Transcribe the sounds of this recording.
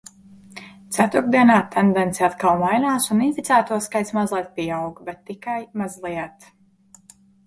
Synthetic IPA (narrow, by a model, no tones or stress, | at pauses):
t̪sæt̪ɾuɾd̪iɛnaːt̪ʰɛnd̪ɛnt̪sɛat̪kalˠmajnaːsuninfit̪sæːt̪uɔskajt̪smazlˠɛjt̪̚piawɡbɛt̪ːikajmazlˠiɛt̪